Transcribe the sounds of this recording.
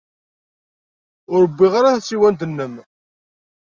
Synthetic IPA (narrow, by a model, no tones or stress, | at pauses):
ʊɾəbːiʁaɾaθsːiwænd̪ənːəm